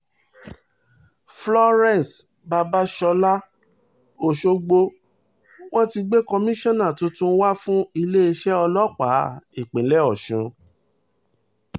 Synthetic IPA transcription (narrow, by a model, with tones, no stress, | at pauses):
flɔ˦ɾɛ̃˦˨n˨s | ba˧ba˦ʃɔ˧la˦ | o˨ʃo˧ɡ͡bo˧ | w̃ɔ̃˦ti˧ɡ͡be˦kɔ˧mĩ˦ʃɔ̃˦nã˦˨tũ˦tũ˦wa˦fũ˦i˧le˦i˧ʃɛ˦ɔ˧lɔ˦k͡pa˨˦i˨k͡pẽ˨˦lɛ˦ɔ˦˨ʃũ˨˦